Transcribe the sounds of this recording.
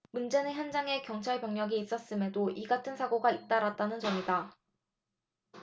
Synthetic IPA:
mund͡ʑe̞nɯnçjʌnd͡ʑaŋe̞kjʌŋt͡ɕʰaɭpjʌŋɲʌɡiːs͈ʌs͈ɯme̞doʔiɡatʰɯnsʰaɡoɡait͈̚aɾat̚t͈anɯnd͡ʑʌŋida

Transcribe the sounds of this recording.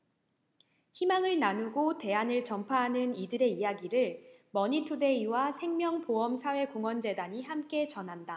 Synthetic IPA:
çimaŋɯɭnanuɡote̞anɯɭt͡ɕʌmpʰaɦanɯnidɯɾe̞ijaɡiɾɯɭmʌɲitʰude̞iwasʰeŋmjʌŋpoʌmsʰawe̞koŋwʌnd͡ʑe̞daɲihamk͈e̞t͡ɕʌnɦanda

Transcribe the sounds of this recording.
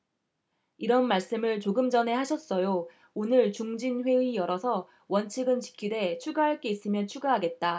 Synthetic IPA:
iɾʌnmaɭs͈ɯmɯɭt͡ɕoɡɯmd͡ʑʌne̞ɦaɕʰʌs͈ʌjo | onɯɭt͡ɕuŋd͡ʑinɸwe̞ɥijʌɾʌsʰʌ | wʌnt͡ɕʰiɡɯnt͡ɕi̥kʰide̞t͡ɕʰuɡaɦaɭk͈e̞is͈ɯmjʌnt͡ɕʰuɡaɦaɡe̞t̚t͈a

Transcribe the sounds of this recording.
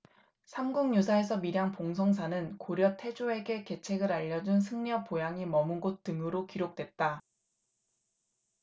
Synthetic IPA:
sʰamɡuŋɲusʰae̞sʰʌmiɾjaŋpoŋs̬ʰʌŋs̬ʰanɯnkoɾjʌtʰe̞d͡ʑoe̞ɡe̞ke̞t͡ɕʰe̞ɡɯɾaʎːʌd͡ʑunsʰɯŋɲʌpojaŋimʌmɯnɡot͈ɯŋɯɾokiɾok̚t͈we̞t̚t͈a

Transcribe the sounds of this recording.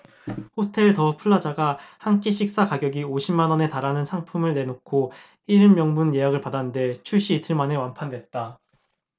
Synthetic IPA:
hotʰe̞ɭtʌpʰuɭːad͡ʑaɡahank͈iɕʰik̚s͈akaɡjʌɡioɕʰimːanʌne̞taɾanɯnsʰaŋpʰumɯɭne̞nokʰo | iɾɯmmjʌŋmunje̞jaɡɯɭpadannde̞t͡ɕʰuɕ͈ʰiːtʰɯɭmane̞wanpʰandwe̞t̚t͈a

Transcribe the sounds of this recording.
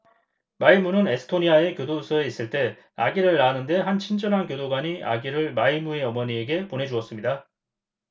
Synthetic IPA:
maimunɯne̞sʰɯ̥tʰoɲiae̞kjodosʰʌe̞is͈ɯɭt͈e̞ | a̰ɡiɾɯɭːanɯnde̞ɦant͡ɕʰind͡ʑʌnɦankjodoɡwaɲiʔa̰ɡiɾɯɭmaimue̞ʌmʌɲieɡe̞ponɦe̞d͡ʑuʌs͈ɯmɲida

